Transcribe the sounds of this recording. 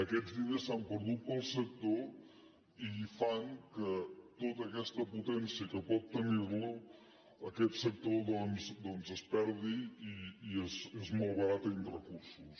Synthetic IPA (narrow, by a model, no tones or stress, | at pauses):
əkɛd͡zβiðesampəɾðut̪̚pəlˠsək̚t̪o | ifaŋkət̪ot̪əːkɛst̪əput̪ɛnsiəkəpɔt̪ːəniɾlu | əkɛt̪sək̚t̪oðɔnzd̪ɔnzəspɛɾðiiːezezmolˠβəɾat̪əinrəkuɾsus